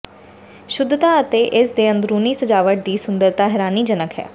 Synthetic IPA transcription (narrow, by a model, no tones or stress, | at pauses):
ʃʊd̪t̪aːət̪eːʔɪsd̪eːə̃nd̪ɾuːniːsəd͡ʒaːʋəʈ̚d̪iːsʊnd̪əɾt̪aːɦɛːɾaːniːd͡ʒənəkɦɛ̰ː